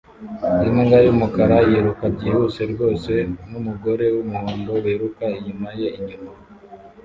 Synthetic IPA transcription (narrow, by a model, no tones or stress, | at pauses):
imuŋɡajumukaɾajeɾukabɟihuse̞ɾɡo̞ːse̞numuɡo̞ɾe̞wumuhuːmboweɾukaiɲimaje̞iɲuma